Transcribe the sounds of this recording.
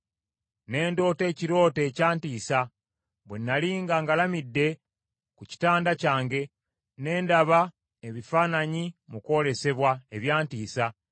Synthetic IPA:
ne̞ːndo̞ːte̞ːciɾo̞ːte̞ːcaːntiːsa | βwenːaliːŋɡaŋɡalamidːe̞ | kuci̥taːndacaːŋɡe̞ | ne̞ːndaβa | eβifaːnaɲimuko̞le̞se̞βwaeβjaːntiːsa

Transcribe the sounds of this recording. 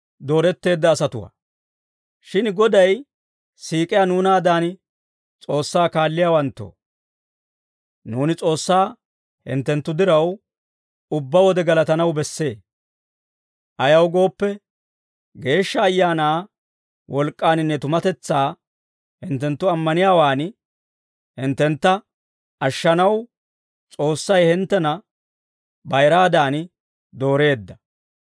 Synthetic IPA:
d̪o̞ːɾɛt̪ːe̞ːd̪ːɐːsɐt̪ʊwa̰ː | ʃɪnɡɔd̪ɐj | siːkʼɪjanuːnaːd̪aːn | t͡sʼo̞ːsːaːkaːlːɪjaːwɐnt̪ːo̰ː | nuːnɪt͡sʼo̞ːsːaː | hɪ̰nt̪ːɛnt̪ːʊd̪ɪɾɐw | ʊbːɐwɔd̪ɛɡɐlɐt̪ɐnɐwbɛsːe̞ː | ʔɐjɐwɡo̞ːpːɛ | ɡe̞ːʃːɐːjːaːnaː | wʔɔlkʼːaːnɪnːɛt̪ʊmɐt̪ɛt͡sːaː | hɪnt̪ːɛnt̪ːʊɐmːɐnɪjaːwaːn | hɪnt̪ːɛnt̪ːɐ | ʔɐʃːɐnɐw | t͡sʼo̞ːsːɐjhɪnt̪ːɛnɐ | bɐjɾaːd̪aːn | d̪o̞ːɾe̞ːd̪ːɐ

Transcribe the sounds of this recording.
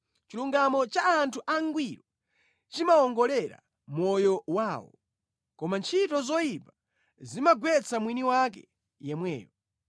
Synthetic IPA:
t͡ʃiluŋɡamɔt͡ʃaːntʰuʔaŋɡwiɾɔ | t͡ʃimaɔŋɡɔlɛɾa̰ | mɔjɔwaːwɔ̰ | kɔmant͡ʃʰitɔzɔjipa | zimaɡwɛt͡sʰamwiniwakɛ̰ | jɛmwɛ̰ːjɔ

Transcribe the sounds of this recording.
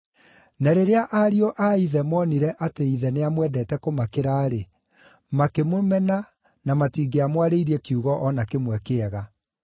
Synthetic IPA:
naɾeɾeaʔaɾiɔʔaiðɛmɔniɾɛʔateiðɛneamwɛdɛːtɛkomakeɾaːɾe | makemomɛna | namatiːɡeamwaɾeiɾiɛkiuɣɔʔɔnakemwɛkeɛɣa

